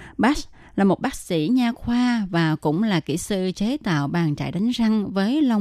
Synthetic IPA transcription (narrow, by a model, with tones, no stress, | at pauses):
ɓaː˦˥s | laː˨˩mo˨˩t̚ɓaː˦˥k̚sḭ˧˥ɲaː˧xwaː˧vaː˨˩kʊ̰˧˥ŋ͡mlaː˨˩kḭ˧˩sɨ˧t͡ɕe˨˦t̪a̰ː˧˨wɓaː˨˩nt͡ɕa̰ː˧˨jɗa˨˦jŋ̟za˧ŋvəː˨˦jlə˧wŋ͡m